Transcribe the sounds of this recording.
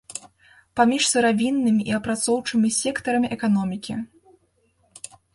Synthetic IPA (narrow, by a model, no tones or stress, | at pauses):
pamʲiʂsɨɾavʲinːɨmʲiʔiɐpɾat̪sɔwt͡ʂɨmʲisʲɛkt̪ɐɾɐmʲiʔɛkanɔmʲikʲi